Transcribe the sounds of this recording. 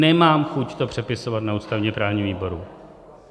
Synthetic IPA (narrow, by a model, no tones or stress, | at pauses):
nɛmaːmxuct̪opr̥ɛpɪso̞vat̪nauːst̪avɲɛpɾaːvɲiviːbo̞ɾu